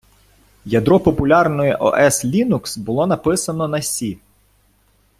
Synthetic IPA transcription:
jɐd̪ɾɔpɔpʊlʲɑrnɔjɛʔɔ̰ʔɛslʲinuksbʊlˠɔnɐpɪsɐnɔnɐsʲi

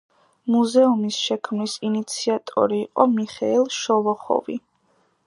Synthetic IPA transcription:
muzɛumisʃɛkʰmnisinit̪sʰiat̪ʼɔ̰ɾiːqʼɔmiχɛilˠʃɔvɔχɔ̰vḭ

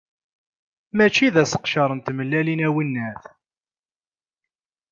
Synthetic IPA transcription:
mæt͡ʃːiðæsə̥qʃɑɾˤənt̪məlːælinæwinːæθ

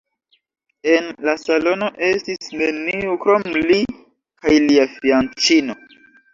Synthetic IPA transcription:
e̞nlasalo̞no̞ʔe̞stisne̞niukɾo̞mli | kajliafiant͡ʃino̞

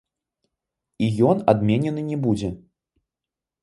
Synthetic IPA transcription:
ijɔnad̪mʲenʲɛnɨnʲɛbud͡zʲɛ

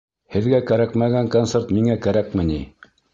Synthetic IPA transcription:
hɘ̆ðɡækæɾækmæɡæŋkont̪seɾt̪miŋækæɾækmɘ̆ni

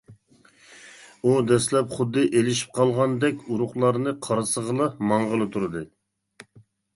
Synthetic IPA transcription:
ud̪ɛslɛpχʊd̪ːɨʔelɪʃi̥p̚qʰɑlˠʁɑnd̪ɛkʲuɾʊχlˠɑɾnɨqʰɑɾɨsəʁəlˠɑmɑɴʁəlˠɨt̪ʰuɾɨd̪ɨ

